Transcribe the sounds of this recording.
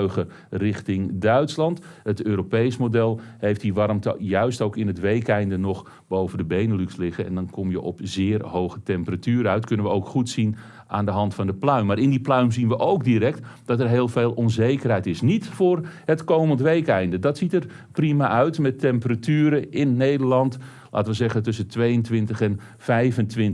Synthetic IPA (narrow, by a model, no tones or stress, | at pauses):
ɣə | rɪxtɪŋdœɥtslɑntətøːɾopejsmodɛlˠhejftdiʋɑrmtjœɥstowkɪnətʋejkɛjndənɔx | bowvəndəbejnəlykslɪɣəɛ̰ndɑnkʰɔmjəʔɔpzɪːrhowxətɛmpəratyːɾəœɥtkɵnənʋəowkχutsin | ʔaːndəɦɑntfɑndəplœɥmːaːɾɪndiplœɥmzinʋəʔowk̚diɾɛk̚td̥ɑtɛrɦeːlˠveːlˠɔnzejkərɦɛjtɪsnitfʊːrhətkowməntʋejkɛjndədɑtsitər | primaʔœɥtmɛtʰɛmpəratyːɾəɪnːejdərlɑnt | lʔa̰ːtəʋəzɛɣəntɵsəntʋejəntʋɪntəxɛn | fɛjvəntʋɪn